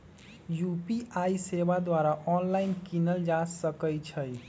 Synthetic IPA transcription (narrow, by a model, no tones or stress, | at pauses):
jupiʔaisebad̪waɾaʔɔnlainkinəld͡ʒasəkəjt͡ʃʰəj